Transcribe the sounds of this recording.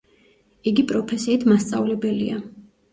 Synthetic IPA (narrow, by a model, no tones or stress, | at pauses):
iɡipʼɾɔpʰɛsiːt̪ʰmast̪sʼavlɛbɛlḭa